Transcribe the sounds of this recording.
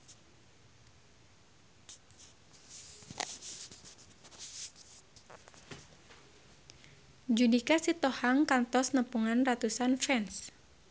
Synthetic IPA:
d͡ʒudikasit̪ɔhaŋkant̪ɔsnəpuŋanrat̪usanfɛns

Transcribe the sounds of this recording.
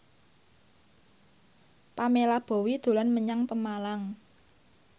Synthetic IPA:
pamelab̥o̤wid̪̥o̤lanməɲaŋpəmalaŋ

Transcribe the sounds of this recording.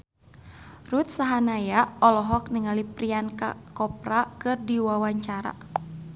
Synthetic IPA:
rut̪̚saɦanajaɔlɔɦɔk̚niŋalipɾianka̰kɔp̚rakɨrdiwawaɲt͡ʃaɾa̰

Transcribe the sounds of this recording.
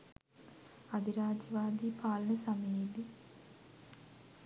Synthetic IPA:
ɐd̪ʱiɾaːd͡ʒɐʋaːd̪iːpaːlɐnɐsɐmɐjeli

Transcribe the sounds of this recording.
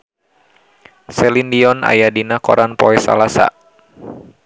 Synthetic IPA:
sɛlindiɔna̰jadinakɔ̰ɾʔanpɔɛsa̰lasa̰

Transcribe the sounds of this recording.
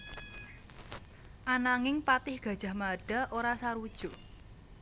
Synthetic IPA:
ʔanaŋɪŋpat̪ɪhɡ̥ä̤d̥ʒ̥a̤hmaɖ̥a̤ʔoɾasaɾud̥ʒ̥ṳ

